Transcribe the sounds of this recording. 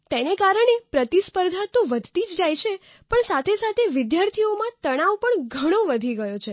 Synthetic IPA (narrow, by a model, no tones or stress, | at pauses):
t̪enekaɾəɳepɾət̪ispəɾd̪ʱat̪oʋəd̪ʱt̪id͡ʒd͡ʒajt͡ʃʰe | pəɳsat̪ʰesat̪ʰeʋɪd̪jaɾt̪ʰiomãt̪əɽ̃aʋpəɳɡʱəɽ̃oʋəd̪ʱiɡəjot͡ʃʰe